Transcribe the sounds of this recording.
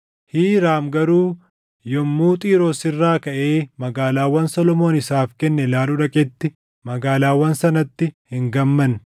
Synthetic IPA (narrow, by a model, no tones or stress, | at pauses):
hiːɾaːmɡɐɾuː | jɔmːuːt̪ʼiːɾɔsɪrːaːkɐʔe̞ːmɐɡaːlaːwːɐnsɔlɔmo̞ːnɪsaːfkɛnːɛlaːluᶑɐkʼɛt̪ːɪ | mɐɡaːlaːwːɐnsɐnɐt̪ːɪhɪŋɡɐmːɐn